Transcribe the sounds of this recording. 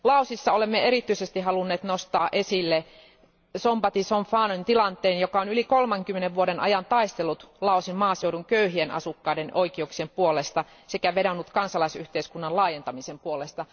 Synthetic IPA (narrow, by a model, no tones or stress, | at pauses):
lɑusisːɑolemːeeɾit̪ːyisest̪iɦɑlunːeːt̪nost̪ɑːʔesilːe | sompɑt̪isoɱfɑːnont̪ilɑnt̪ːˑeːnjokɑonylikolmɑŋkymːeneʋʋuoɾenɑ̰jɑnt̪ɑist̪elːˑut̪lɑˑusimmɑːseuduŋkøyhienɑ̰sukːɑidenoikiuksiempuolest̪ɑ | sekæʋeɾonːut̪kɑnsɑlɑisyht̪eiskunːɑlɑːjent̪ɑmisempuolest̪ɑ